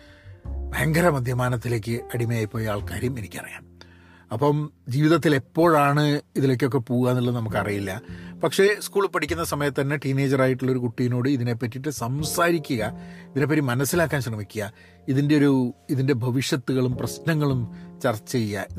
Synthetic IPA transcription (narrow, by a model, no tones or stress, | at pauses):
bʱɐjɐŋɡɐɾɐmɐd̪ʱjɐmaːnɐt̪ːile̞ːk̬ʲːɨɐɽimɐjaːjpːoːjaːɭkaːɾjɐme̞nikʲːiɐ̰rḭja̰ːm | ɐpːɐmd͡ʑiːʋiðɐt̪ːile̞pːo̞ːɻaːɳɨiðile̞ːk̬ʲːo̞k̬ːe̞poːɣɣaːnːilːɐnɐmukːɨɐrijilːɐpɐkʂe̞skuːɭpɐʈʰikʲːunːɐsɐmɐjɐt̪ːɐnːe̞ʈiːne̞ːd͡ʑɐraːjiʈːuɭːo̞ɾukuʈːijino̞ːɽɨiðine̞pːɐtːiʈːɨsɐmsaːɾikʲːuɣɐiðine̞p̬ːɐtːimɐnɐsːilaːkːaːnɕrɐmikʲːuɣɐ | iðinde̞o̞ɾuiðinde̞bʱɐʋiʂjɐt̪ːuɣɐɭumprɐsnɐŋːɐɭumt͡ɕɐrt͡ɕːejːɐ